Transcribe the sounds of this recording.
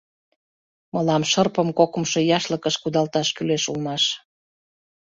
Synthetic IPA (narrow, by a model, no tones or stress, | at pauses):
məlɑmʃərpəmkokə̆mʃojɑʃləkəʃkud̪ɑlt̪ɑʃkyleʃulmɑʃ